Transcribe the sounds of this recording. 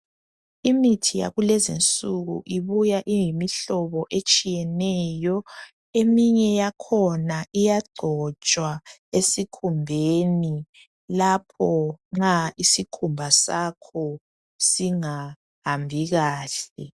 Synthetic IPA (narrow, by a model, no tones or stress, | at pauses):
imitʰija̰ɣulɛzint͡sʼuɣṵʔiβujaʔijimiɬɔβɔʔet͡ʃʼijɛnɛjɔ | emiɲɛjakʰɔnaijaɡ͡ǃʱɔt͡ʃʼwaesikʰumbʱeni | lapʰɔŋ͡ǁaisikʰumbʱasakʰɔ | siŋa | hambʱiɣaːɬɛ